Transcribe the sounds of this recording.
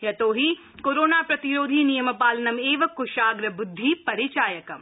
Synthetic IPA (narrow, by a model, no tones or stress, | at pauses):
jɐt̪oːɦi | koːɾoːnaːpɾɐt̪iɾoːd̪ʱiːnijɐmɐpaːlɐnɐmeːʋɐkʊʃaːɡɾɐbʊd̪ʱːiːpɐɾit͡ʃaːjɐkɐm